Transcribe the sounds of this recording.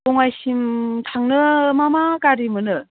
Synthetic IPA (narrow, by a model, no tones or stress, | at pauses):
bɔŋajɕimt̪ʰaŋnɯmamakaɾimɯnɯ